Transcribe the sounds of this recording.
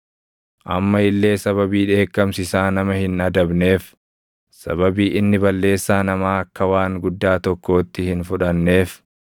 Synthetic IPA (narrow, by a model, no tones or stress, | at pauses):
ʔɐmːɐɪlːe̞ːsɐβɐbiːᶑe̞ːkːɐmsɪsaːnɐmɐhɪnɐd̪ɐbne̞ːf | sɐ̰bɐbiːʔɪnːɪbɐlːe̞ːsːaːnɐmaːɐkːɐwaːŋɡʊd̪ːaːt̪ɔkːo̞ːt̪ːɪhɪnfʊᶑɐnːe̞ːf